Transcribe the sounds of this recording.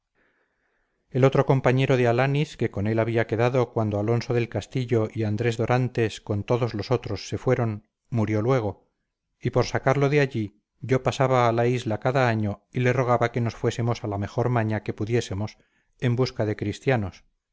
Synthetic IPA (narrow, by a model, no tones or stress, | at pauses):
e̞lo̞t̪ɾo̞ko̞mpaɲe̞ɾo̞ðealaniske̞ko̞ne̞laβiake̞ðaðo̞kwand̪o̞alo̞nso̞ðe̞lkast̪iʎo̞ʔiand̪ɾe̞zðo̞ɾʔant̪e̞sko̞nt̪o̞ðo̞zlo̞so̞t̪ɾo̞sːe̞fwe̞ɾo̞n | muɾjo̞lwe̞ɣ̞o̞ | ipo̞ɾsakaɾlo̞ðeaʎi | ʝo̞pasaβaːlaizlakaðaaɲo̞ile̞ro̞ɣ̞aβake̞no̞sfwe̞se̞mo̞salame̞xo̞ɾmaɲake̞puðje̞se̞mo̞s | e̞mbuskaðe̞kɾist̪jano̞s